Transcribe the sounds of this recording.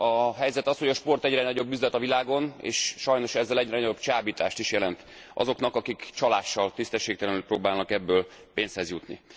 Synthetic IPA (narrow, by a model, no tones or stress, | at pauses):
ɒɦɛjzɛt̪ɒsho̞ɟɒʃpo̞rt̪ɛɟrɛnɒɟo̞bːyzlɛt̪ɒvilaːɡo̞nḛːʃːɒjno̞ʃɛzːɛlɛɟrɛnɒo̞bt͡ʃaːbiːt̪aːʃt̪iʃjɛlɛnt̪ | ɒ̰zo̞knɒkɒkikt͡ʃɒlaːʃːɒlt̪ist̪ɛʃːeːk̚t̪ɛlɛnylpɾoːbaːlnɒkɛbːøːl | peːnshɛzjut̪nḭ